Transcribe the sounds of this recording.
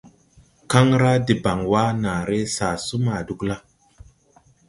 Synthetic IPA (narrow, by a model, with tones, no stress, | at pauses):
ka˦ŋɾa˦di˨ba˨ŋwa˦na˨ɾe˦sa˨su˦ma˨du˨kla˦